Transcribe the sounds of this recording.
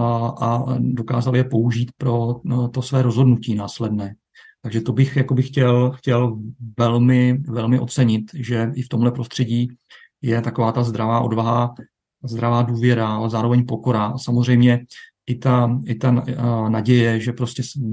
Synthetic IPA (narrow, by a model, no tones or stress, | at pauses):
ʔado̞kaːzaljɛpo̞uʒiːt̪pɾo̞t̪o̞svɛːɾo̞zɦo̞dnuciːnaːslɛdnɛː | t̪aɡʒɛt̪o̞bɪxjako̞bɪxcɛlxcɛlvɛlmɪvɛlmɪʔo̞t͡sɛɲɪt̪ʒɛʔɪft̪o̞mɦlɛpɾo̞st̪r̥ɛɟiː | jɛt̪ako̞vaːt̪azd̪ɾavaːʔo̞dvaɦa | zd̪ɾavaːduːvjɛɾaalɛzaːɾo̞vɛɲpo̞ko̞ɾaʔasamozr̝ɛjmɲɛʔɪt̪aɪt̪anaɟɛjɛʒɛpɾo̞scɛs